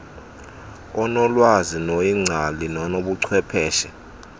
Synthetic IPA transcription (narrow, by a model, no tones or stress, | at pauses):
ɔnɔlwazinojiŋ͡ǀʱalinɔnoɓuǀʰwɛpʰɛːʃɛ